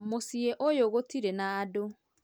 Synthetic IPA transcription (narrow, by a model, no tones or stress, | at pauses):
mosieʔojoɣotiɾenaːdo